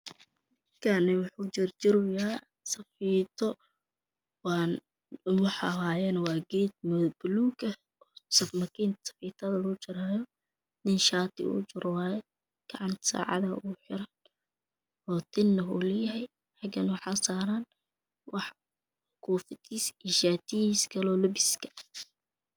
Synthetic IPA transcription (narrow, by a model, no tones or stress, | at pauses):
kʰanɛwʊħuːt͡ʃɪrt͡ʃɪɾʊja | sɐfiːt̪ʰɔ | w | wɑħɑ̰ɦaːjɛnwɑːɡɛːd̪̚mʊbʊluːkɐ | sɐfmɐkʰiːnt̪sɐ̥fiːt̪ʰɐðɐlɔʊt͡ʃɪɾaːjɔ | nɪnʃaːt̪ʰɪ̰ṵːt͡ʃʊɾwaːjɛ | ɡ̥ɑʕɑnt̪ʰsa̰ːʕɑ̰ðɐuːħɪɾɐn | ɔːt̪ʰɪnːɐɦṵːlɐjɐɦɛj | ħɑɡɐnwɑħɑːsaːɾaːn | wɑħ | kʰuːfɪt̪iːsiʃaːt̪ʰɪjiːskʰɐlɔːlʊbɪskʰɐ̥